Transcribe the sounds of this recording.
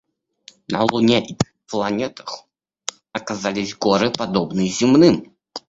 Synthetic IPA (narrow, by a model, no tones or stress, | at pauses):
nɐ̰lˠunʲɛʔi | plˠanʲɛt̪ɐ̥x | ɐkazalʲizʲɡɔɾɨpad̪ɔbnɨjzʲimnɨm